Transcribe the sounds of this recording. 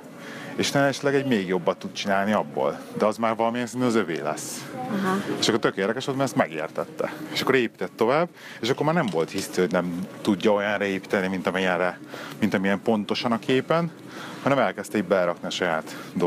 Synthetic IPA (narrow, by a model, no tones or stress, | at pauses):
eːʃt̪ɛɛʃɛt̪lɛɡɛɟmeːɡjo̞bːɒt̪ːut̪̚t͡ʃinaːlniɒbːo̰ːld̪ɛɒzmaːrvɒlɒmijɛnsɛnɛnɒzøvḛːlɛ̰sː | eːʃɒkːort̪økeːrd̪ɛkɛʃolt̪mɛɾɛst̪mɛɡḛːrt̪ɛt̪ːɛ̰eːʃɒkːoɾeːpi̥t̪ɛt̪ːo̞vaːbː | eːʃɒkːo̞ɾmaːɾrnɛɱvo̞lt̪hisihoɟnɛmt̪uɟːɒo̞jɒnrɛeːpi̥t̪ɛnimint̪ɒmijɛnrɛmint̪ɒmijɛmpo̞nt̪o̞ʃɒnɒkʰeːpɛn | hɒnɛmɛlkɛst̪ɛiɟbɛlɛɾɒkniɒʃɒjaːt̪d̪o